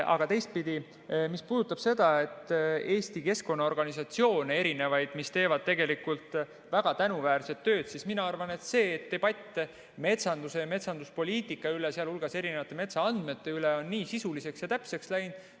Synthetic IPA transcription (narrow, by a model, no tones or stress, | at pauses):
ʔɑ̰ɡ̥ɑt̪e̞jst̪̚pid̪̥ʲi | mispuːd̪ut̪ːˑɑb̥se̞d̪ɑe̞t̪ːe̞ːsʲt̪ike̞sko̞nːɑo̞rɡ̥ɑnisɑt̪sio̞ːnee̞ɾine̞vɑjd̪̥mist̪e̞ːvɑd̪̥̚t̪e̞ɡ̥e̞likult̪ˑ | væɡ̥ɑt̪ænuvæːɾse̞t̪ːø̞ːd̪̥sisminɑɑrvɑne̞t̪se̞ːt̪ːe̞b̥ɑt̪ʲːˑe | me̞t̪sɑnd̪use̞jme̞t̪sɑnd̪uspo̞lʲiːt̪ˑikːˑɑyleseɑlulɡ̥ɑse̞ɾine̞vɑt̪ːˑe̞me̞t̪sɑɑnd̪̥me̞t̪ːe̞yleo̞nːiːsisulise̞ksjɑt̪æpse̞kslæjnd̪̥